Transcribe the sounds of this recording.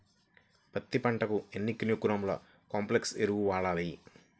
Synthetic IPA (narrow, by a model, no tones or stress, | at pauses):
pɐt̪ːipɐɳʈɐkuenːikːinjukuɾɐmlɐ̰ | kaːmplekseɾuuʋaːɭaːli